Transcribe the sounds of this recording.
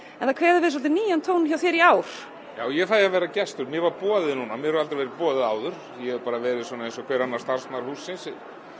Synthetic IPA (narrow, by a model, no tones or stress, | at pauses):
ɛnθakʰvɛːðɪɾvɪðs̬ɔlt̪ɪniːjant̪ʰoːwnçjawθjɛɾiaːwɾ̥ | jaːwjɛfaːjavɛːɾacɛst̪ʏɾmjɛvaɾpɔːðɪðnuːnamjɛhɛɾalɾvɛɾɪpɔːðɪðaːwðʏɾ̥ | jɛɛɾpaːɾavɛːɾɪðsɔːnaejnsɔkʰvɛːɾanːaɾ̥st̪aɾ̥snaɾ̥huːsːɪnsɪ